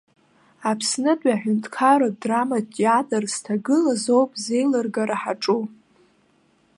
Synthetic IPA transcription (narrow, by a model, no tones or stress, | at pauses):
apʰsnɨtʼaħᶣʊntʰʼkʰaɾodramadʼjadarz̥tʰaɡɨlazo̞wpʼze̞jlɨrɡaɾaħaʈ͡ʂʼu